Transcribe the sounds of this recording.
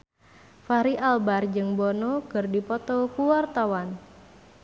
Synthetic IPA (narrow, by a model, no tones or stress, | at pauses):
faɾiʔalbard͡ʒɨŋbɔnɔkɨrdipɔt̪ɔkuwart̪awan